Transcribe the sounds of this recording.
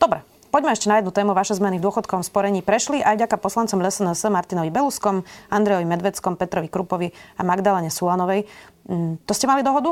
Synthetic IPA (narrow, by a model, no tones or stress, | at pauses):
d̪ɔbɾɛ | pɔɟmɛɛʃcɛnajɛd̪nut̪ɛːmuʋaʃɛzmɛnivd̪ʊɔxɔt̪̚kɔʋɔmspɔɾɛɲiːpɾɛʃliʔajvɟakapɔslant͡sɔmlɛsɛnɛsmaɾt̪inɔʋibɛluskɔmand̪ɾɛjɔʋimɛd̪ʋɛt͡skɔmpɛt̪ɾɔʋikɾupɔʋiamaɡd̪alɛɲɛsuanɔʋɛj | t̪ɔscɛmalid̪ɔɦɔd̪u